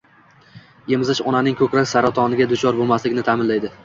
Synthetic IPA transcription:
jemzɪʃɒnanɪŋkʰɵkʲɾakʲsaɾat̪ʰɒnɪɡʲad̪ʊt͡ʃʰɒɾbolˠmaslɪkʲnɪt̪ʰamɪnlajd̪ɪ

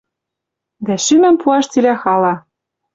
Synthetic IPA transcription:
d̪æʃymɘ̆mpuɑʃt͡silæxɑlɑ

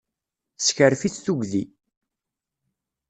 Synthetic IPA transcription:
sçəɾfit͡sːθuɡði

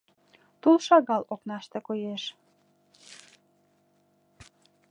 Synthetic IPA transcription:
t̪ulʃɑɣɑloknɑʃt̪ekojeʃ

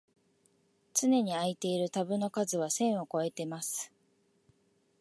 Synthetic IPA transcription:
t͡sɨne̞ɲ̟iait̪e̞iɾɯ̟t̪abɯ̟no̞kazɨβ̞asẽ̞ɰ̃o̞ko̞e̞t̪e̞masɨ̥

